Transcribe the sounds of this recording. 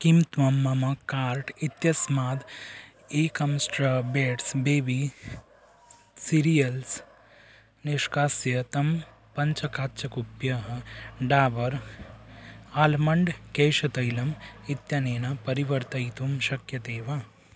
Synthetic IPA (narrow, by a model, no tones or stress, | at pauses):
kimt̪ʋɐmːɐmɐkaːɾʈit̪jɐsmaːd̪ | eːkɐmsʈɾɐbeːʈsbeːʋi | siɾijɐls | niʃkaːsjɐt̪ɐm | pɐɲt͡ʃɐkaːtːt͡ʃʰɐkupjɐɦɐɖaːʋɐɾ | aːlmɐɳɖkeːʃɐt̪ɐjlɐmit̪jɐneːnɐpɐɾiʋɐɾt̪ɐjt̪umʃɐkjɐt̪eːʋa